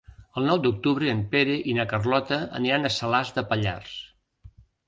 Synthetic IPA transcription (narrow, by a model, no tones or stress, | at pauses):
əlˠnɔwd̪uk̚t̪uβɾəːmpeɾeʔinəkərlɔt̪əə̰niɾanəsəlazd̪əpəʎa̰rs